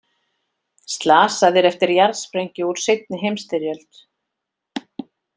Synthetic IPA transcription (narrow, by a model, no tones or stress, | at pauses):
st̪laːsaðɪɾɛft̪ɪɾjaɾðspɾejɲcɪuɾ̥sejt̪̚nɪɦejmst̪ɪɾjœlt̪